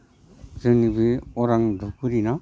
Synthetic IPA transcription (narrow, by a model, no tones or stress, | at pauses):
zɯnibɯɔɾaŋdʱɔkʰɯɾina